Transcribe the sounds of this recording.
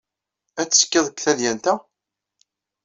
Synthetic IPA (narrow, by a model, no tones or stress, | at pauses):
æt͡sːə̥skːɪðˤəkθæðjænt̪æ